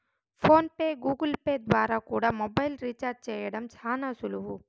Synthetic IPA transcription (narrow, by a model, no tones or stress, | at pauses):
fʰoːnpeɡuːɡəlpeːd̪ʋaːɾakuːɽamoːbaːjlɾit͡ʃaːɾt͡ʃeeɽɐmt͡ʃʰaːnasʊluɦuː